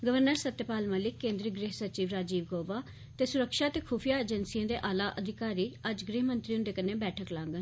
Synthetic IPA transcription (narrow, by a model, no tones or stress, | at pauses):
ɡəʋəɾnəɾsət̪ːjəpaːlməːlɪkːẽːnd̪ɾiɡɾeːɦsət͡ʃiːʋɾaːd͡ʒiːʋɡoːʋaː | t̪eːsʊɾəkʃaːt̪eːkʰuːpʰijaːeːd͡ʒənsijãːd̪eːʔaːlaːʔəd̪ʱɪkaːɾiːəd͡ʒɡɾiːɦmənt̪ɾiʊ̃nd̪eːkənẽːbɛːʈʰəklãːŋɡə